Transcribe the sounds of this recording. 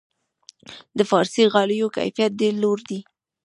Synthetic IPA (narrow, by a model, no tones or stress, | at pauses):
d̪əfɑɾsiɣɑləjoka̰jfijat̪̚d̪eloɾd̪i